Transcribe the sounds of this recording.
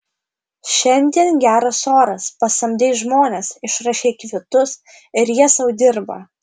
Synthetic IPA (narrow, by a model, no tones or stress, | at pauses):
ʃʲɛnʲd̪ʲiɛnɡʲæːɾɐsoːɾɐspɐsɐmʲd̪ʲeːʒmoːnʲesɪʃɾɑʃʲeːkʋʲɪt̪ʊs | ɪɾjiɛsɐʊd̪ʲɪɾbɐ̰